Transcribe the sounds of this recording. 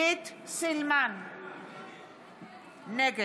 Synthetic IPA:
et̪selman | nɛɡ

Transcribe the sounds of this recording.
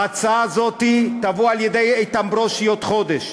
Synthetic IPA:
at͡saazot̪it̪avoaljed̪ejejt̪ambɾoʃijot̪χod̪eʃ

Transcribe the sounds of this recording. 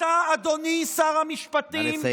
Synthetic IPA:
aːd̪onisaʁamiʃpat̪im

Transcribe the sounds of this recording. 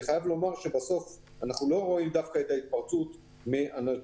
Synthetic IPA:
χajavlo̞maʁʃe̞baso̞f | anaχnulo̞ʁo̞imd̪afkaet̪ait̪̚paʁt͡sut̪ | miʔana

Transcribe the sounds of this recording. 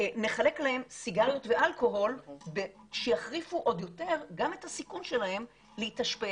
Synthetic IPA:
ne̞χale̞klahe̞msiɡaʁjo̞tveʔalko̞ɦo̞lbe | ʃejaχʁifuʔo̞djo̞te̞ʁɡame̞thasikunʃelahe̞m | leitaʃpe

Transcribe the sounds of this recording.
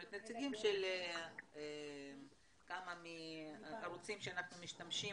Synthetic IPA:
et̪net͡siɡimʃeleem | kamamiaɾut͡simʃeanaχnumiʃtamʃi

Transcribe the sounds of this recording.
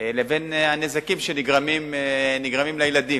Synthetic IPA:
levenanezakimʃeniɡʁamimeniɡʁamimlejlad̪i

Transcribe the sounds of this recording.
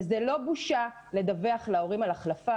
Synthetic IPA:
zelo̞buʃa | le̞d̪aveaχlao̞ʁimalaχlafa

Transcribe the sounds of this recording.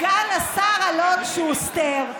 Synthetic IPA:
ɡanasaʁalodʃeust̪eʁ

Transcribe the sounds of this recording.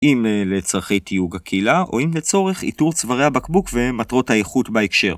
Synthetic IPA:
ʔimlelet͡saʁχe̞jt̪ijuɡakʰilaʔo̞̰imlet͡so̞ʁe̞χḭtuʁt͡svaʁeabakbukve̞matʁo̞thajeχutbaekʃe̞ʁ

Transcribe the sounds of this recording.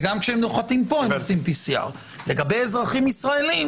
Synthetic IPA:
ɡamkʃeemnoχatimpo̞emot͡simpisia̰ʁ | le̞ɡabejezʁaχimisʁae̞lim

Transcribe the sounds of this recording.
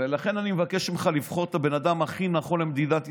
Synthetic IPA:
velaχe̞nanimevakeʃimχalivχo̞ʁet̪abe̞nad̪amaχinaχolemd̪id̪at̪

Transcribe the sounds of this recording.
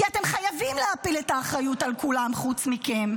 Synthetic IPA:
iate̞mχajavimlehapiletaːχɾajutalkulamχut͡smike̞m

